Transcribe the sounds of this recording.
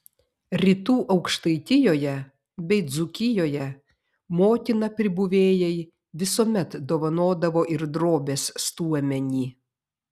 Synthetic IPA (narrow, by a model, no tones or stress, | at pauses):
ɾʲit̪uːʔɐʊkʃt̪ɐɪt̪ʲɪjoːjɛ | bʲɛɪd̪zʊkʲɪjoːjɛ | moːt̪ʲɪnɐpʲɾʲɪbʊʋʲeːjɛɪ | ʋʲɪsoːmʲɛt̪d̪oːʋɐnoːd̪ɐʋoːʔɪɾd̪ɾoːbʲeːsst̪uɔmʲɛnʲiː